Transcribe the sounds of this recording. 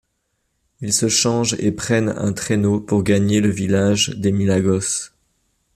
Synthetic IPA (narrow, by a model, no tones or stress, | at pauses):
ilsəʃɑ̃ʒḛpχɛnɛ̰̃t̪χenopuʁɡaɲeləvilaʒd̪emilaɡɔs